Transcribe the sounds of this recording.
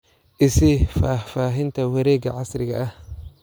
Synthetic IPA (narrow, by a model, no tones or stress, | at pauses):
ʔɪsɪfaːfaːɦɪnt̪ʰɐwɐɾɛːɡɐʕɑsɾɪɣɐ̰ʔɐh